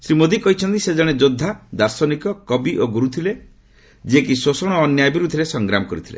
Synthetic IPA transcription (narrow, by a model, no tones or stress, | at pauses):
sɾimod̪ikɔɦit͡ʃʰɔnt̪ised͡ʒɔɽ̃ed͡ʒod̪ʱːad̪aɾsɔnikɔkɔbiʔoɡuɾut̪ʰile | d͡ʒiek̬isosɔɽ̃ɔːnjajbiɾud̪ʱiɾesɔŋɡɾamɔkɔɾit̪ʰi̥lḛ